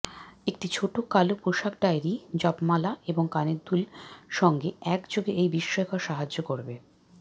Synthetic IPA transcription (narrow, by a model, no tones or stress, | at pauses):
ek̚ʈit͡ɕʰoʈokalopɾoʃakɖajɾid͡ʑɔpmalaʔeboŋkaneɾd̪ulʃɔŋɡeɛkd͡ʑoɡeʔejbiʃːɔekaɾʃaɦad͡ʑokoɾbe